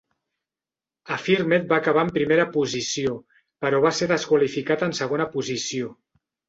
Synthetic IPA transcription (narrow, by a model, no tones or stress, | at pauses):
əfiɾmet̪̚baːkəβ̞aəmpɾimeɾəpuzisio | pəɾɔβaseðəskwalifikat̪ənsəɣ̞onəpuzisio